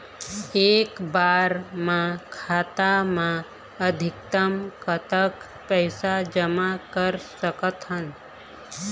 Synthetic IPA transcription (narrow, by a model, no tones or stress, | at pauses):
eːkbaːɾmãkʰaːt̪amã | əd̪ʱɪk̚t̪əmkət̪ək | pɛːsad͡ʒəmakəɾsəkət̪ɦən